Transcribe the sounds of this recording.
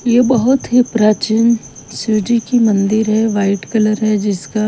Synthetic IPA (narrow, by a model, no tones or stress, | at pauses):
jebɐɦʊt̪ɦipɾaːt͡ʃɪn | sɪɖikimɐ̃nd̪ɪɾɦɛʋaːɪʈkɐləɾɦɛd͡ʒɪska